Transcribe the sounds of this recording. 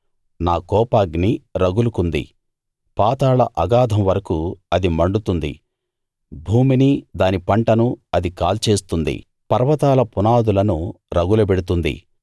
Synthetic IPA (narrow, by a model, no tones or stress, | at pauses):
naːkɔːpaːɡniɾɐɡulukund̪ḭ | paːt̪aːlɐʔɐɡaːd̪ʱɐmʋɐɾɐkuɐd̪imɐɳɖut̪und̪ḭ | bʱuːminid̪aːnipɐɳʈɐnuɐd̪ikaːlt͡ʃeːst̪und̪ḭ | pɐɾʋɐt̪aːlɐpunaːd̪ulɐnu | ɾɐɡulɐbeɽut̪und̪ḭ